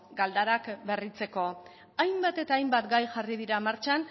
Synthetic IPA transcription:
ɡald̪aɾakbe̞rit͡se̞ko̞ | ajmbat̪e̞t̪aːjmbat̪ɡajxarið̞iɾamaɾt͡ʃan

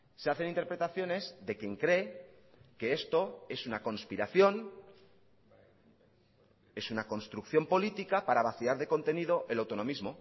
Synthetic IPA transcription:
se̞aθe̞nint̪eɾpɾe̞t̪aθjo̞ne̞zðe̞kje̞ŋkɾe̞ | ke̞est̪o̞e̞sunako̞nspiɾaθjo̞n | e̞sunako̞nst̪ɾukθjo̞mpo̞lit̪ikapaɾaβ̞aθiaɾðe̞ko̞nt̪e̞nið̞o̞ʔe̞lawt̪o̞nõ̞mizmo̞

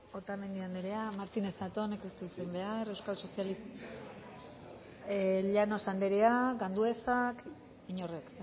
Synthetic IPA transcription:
ot̪ame̞nd̪iand̪eɾeamaɾt̪ine̞sat̪o̞nekest̪uit͡se̞mbe̞aɾe̞wskalso̞sjalis | ʎano̞sand̪e̞ɾeaɡand̪ue̞sak | iɲo̞rek

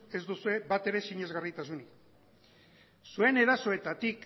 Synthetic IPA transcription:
e̞zd̪usue̞βat̪e̞ɾe̞siɲe̞zɣarit̪asuni | sue̞ne̞ɾaso̞e̞t̪at̪ik

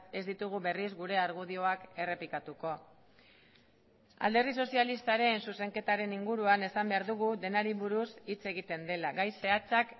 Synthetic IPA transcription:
e̞zd̪it̪uɣuβe̞rizɡuɾe̞aɾɣ̞uð̞io̞ake̞re̞pikat̪uko̞ | a̰ld̪e̞ɾðis̬o̞sialist̪aɾe̞nsuse̞ŋke̞t̪aɾe̞niŋɡuɾuane̞sambe̞aɾðuɣuðe̞naɾiβuɾusit͡se̞ɣit̪e̞nd̪e̞laɣajse̞at͡sak

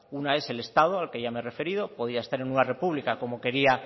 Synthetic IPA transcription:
unae̞se̞le̞st̪að̞oalke̞ʝameere̞fe̞ɾiðo̞po̞ð̞iaest̪aɾe̞ŋnunare̞puβlikako̞mo̞ke̞ɾia

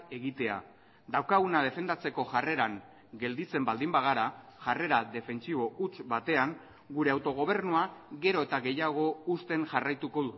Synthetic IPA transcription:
e̞ɣit̪e̞a̰ | d̪awkaɣ̞unað̞e̞fe̞nd̪at͡se̞ko̞ʝare̞ɾaŋ | ɡe̞ld̪it͡se̞mbald̪imbaɣ̞aɾaʝare̞ɾaðe̞fe̞nt͡siβ̞o̞ut͡sbat̪e̞aŋ | ɡuɾe̞awt̪o̞ɣ̞o̞β̞e̞ɾnuaɣe̞ɾo̞e̞t̪aɣe̞jaɣ̞o̞ust̪e̞ŋʝarajt̪uko̞ðu

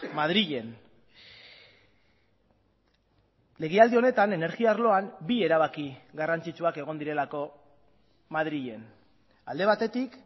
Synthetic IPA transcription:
mað̞ɾiʎe̞n | le̞ɣ̞eald̪io̞ne̞t̪ane̞ne̞ɾɣiaɾlo̞ambie̞ɾaβ̞akiɣarant͡sit͡ʃuake̞ɣ̞o̞nd̪iɾe̞lako̞ | maðɾiʎe̞n | a̰ld̪e̞β̞at̪e̞t̪ik

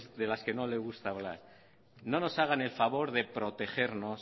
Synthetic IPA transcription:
zðe̞laske̞nole̞ɣ̞ust̪aːβla̰ɾ | no̞no̞saɣ̞ane̞lfaβo̞ɾðe̞pɾo̞t̪e̞xe̞ɾnos

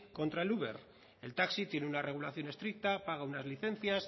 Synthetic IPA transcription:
ko̞nt̪ɾaeluβe̞̰ɾ | e̞lt̪aksit̪je̞neunare̞ɣ̞ulaθjo̞ne̞st̪ɾik̚t̪apaɣ̞aunazliθẽ̞n̟θjas

